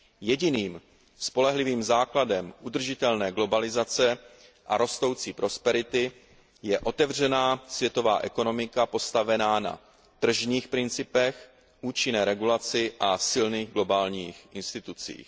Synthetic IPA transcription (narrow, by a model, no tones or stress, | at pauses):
jɛɟɪniːm | spo̞lɛɦlɪviːmzaːkladɛmʔud̪r̩ʒɪt̪ɛlnɛːɡlo̞balɪzat͡sɛ | ʔaɾo̞st̪o̞wt͡siːpɾo̞spɛɾɪt̪ɪ | jɛʔo̞t̪ɛvr̝ɛnaːsvjɛt̪o̞va̰ːʔɛko̞no̞mɪkapo̞st̪avɛnaːna̰ | t̪r̩ʒɲiːxpɾɪnt͡sɪpɛx | ʔuːt͡ʃɪnɛːɾɛɡulat͡sɪʔasɪlniːɣɡlo̞baːlɲiːxʔɪnst̪ɪt̪ut͡sḭːx